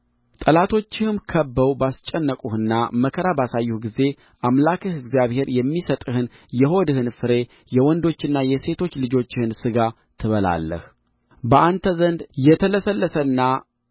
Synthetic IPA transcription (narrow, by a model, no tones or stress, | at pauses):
t̪ʼəlat̪ʰo̞t͡ʃːɪhɨmkʰəbːəwbast͡ʃʼːɛnːəkʼuhɨnːaməkʰəɾabasajːuhɡize̞ | ʔamlakʰɨhɨɡzjaβhe̞ɾjɛmːisət̪ʼɨhɨn | jɛɦo̞d̪ɨhɨnfɨɾe̞ | jɛwɔnd̪o̞t͡ʃːɪnːajɛse̞t̪ʰo̞t͡ʃːlɨd͡ʒo̞t͡ʃːɪhɨnsɨɡa | t̪ʰɨβəla̰lːə̰h | bəʔant̪ʰəzənd̪jɛt̪ʰələsəlːəsənːa